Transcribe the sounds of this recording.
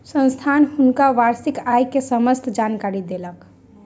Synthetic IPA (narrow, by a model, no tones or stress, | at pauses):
sə̃nst̪ʰanhʊnkaʋaɾsikajkesəməst̪ʰd͡ʒankaɾid̪elək